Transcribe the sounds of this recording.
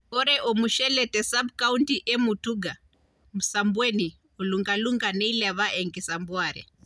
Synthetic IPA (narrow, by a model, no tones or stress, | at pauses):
oɾeʔomuʃeletesab̚kauntiʔemutuɡʱa | musambuweni | uluŋɡaluŋɡaneilaʋaʔeŋɡisambuaːɾḛ